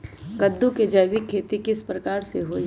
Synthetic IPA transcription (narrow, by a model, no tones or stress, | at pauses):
kəd̪ːũked͡ʒəjwikʰːeːt̪ikɪspɾɐkaːɾseɦoːi